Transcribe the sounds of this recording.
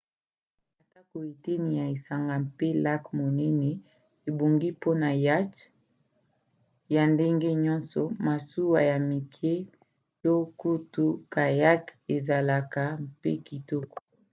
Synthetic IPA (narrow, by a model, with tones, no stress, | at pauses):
a˨ta˦ko˨e˨te˦ni˨ja˨e˨sa˨ŋɡa˨mpe˦la˦kmo˨nɛ˦ne˨ | e˨bo˨ŋɡi˦po˦na˨ja˦t͡ʃ | ja˨nde˦ŋɡe˦ɲɔ˦nsɔ˨ma˨su˦wa˨ja˨mi˨kʰe˦ | to˦ku˦tu˦ka˨ja˦ke˨za˨la˨ka˨mpḛ˦ki˨tɔ˦ko̥˨